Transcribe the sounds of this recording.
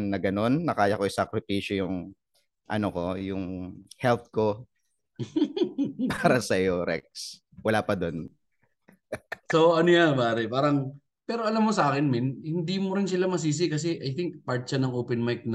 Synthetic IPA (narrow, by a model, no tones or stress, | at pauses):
nːɐɡɐno̞nːɐkaːjɐkoɪsɐkɾɪpiːʃojʊŋ | ʔɐ̰noko̞jʊŋhɛlt̪̚ko̞ | paːɾɐsɐjoɾɛ̰k̚s | wɐlaːpɐd̪on | soɐnojanbaːɾɛpaːɾɐŋ | pɛːɾoʔɐlamːosɐʔaːkɪnmɪnhɪnd̪iːmoɾɪns̬ɪlamɐs̬iːs̬ɪkɐs̬ɛʔɐjt̪ɪŋk̚paɹt̪̚t͡ʃɐnɐŋʔoːpɛnmajk̚n